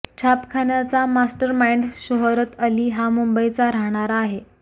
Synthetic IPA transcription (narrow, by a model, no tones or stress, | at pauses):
t͡ɕʰapkʰanjat͡samasʈəɾmajɳɖɕəɦɾət̪əliːɦamumbəjt͡saɾaɦɳ̃aɾaːɦe